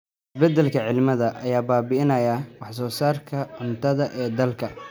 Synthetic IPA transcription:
ɪsbɛd̪ɛlkʰɐʕɪlmɐðɐʔɐjaːbaːbɪɪnɐjɐwɑħsɔːsaːrkʰɐʕʊnt̪ʰɐðɐʔɛːd̪ɐlkʰɐ

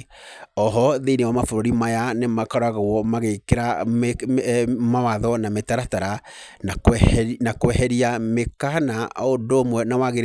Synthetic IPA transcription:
ɔɦɔðeinewamafoɾoɾimajanemakaɾaɣawɔmaɣekeɾa | mawaðɔnametaɾataɾa | nanakoɛhɛɾiamekanaodomwɛnawaɣeɾ

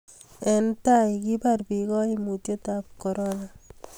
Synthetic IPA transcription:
ɛntajkiparpikɔimutjotap̚koɾɔna

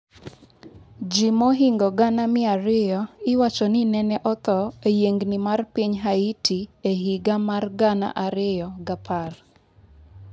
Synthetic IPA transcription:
d͡ʒimɔɦiŋɡɔɡanamɪaɾɪjɔɪwat͡ʃɔnɪnɛnɛʔɔt̪ɔejeŋɡnimarpiɲɦaitʰieɦiɡamarɡana̰ʔaɾɪjɔɡapʰar

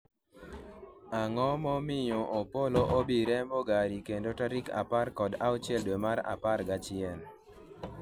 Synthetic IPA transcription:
aŋɔmɔmɪɲoʔopoloʔobiɾɛmoɡaɾikendotaɾika̰parkɔdaʊt͡ʃɛldwemaɾa̰paɾɡat͡ʃɪɛn

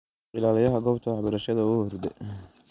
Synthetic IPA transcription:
ɪlaːlɪjɐɦɐɡɔːpt̪ʰɐwɑħbɐɾɐʃɐðɐʊhɔrd̪ɛ

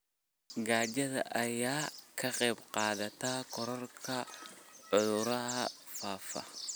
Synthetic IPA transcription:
ɡaːd͡ʒɐðɐ̰ʔɐjaːkʰɐqʼɛːbqʼaːd̪ɐt̪aːkɔɾɔɾkʰɐʕʊʊɾɐhɐ | faːfɐ̰

